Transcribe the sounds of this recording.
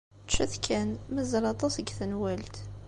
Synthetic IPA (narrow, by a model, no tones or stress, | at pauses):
t͡ʃːæθkʰænməzəɾˤɑt̪ˤɑsəɡθənwælt̪